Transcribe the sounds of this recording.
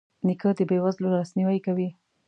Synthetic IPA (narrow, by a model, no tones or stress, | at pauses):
nikəd̪əbewazloɾlasniwajkawi